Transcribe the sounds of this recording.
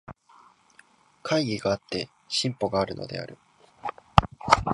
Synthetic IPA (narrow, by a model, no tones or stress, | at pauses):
kʰaiɡʲiɡaat̪ːe̞ | ɕĩmpo̞ɡaːɾɯ̟no̞̰d̪e̞̰a̰ɾɯ̟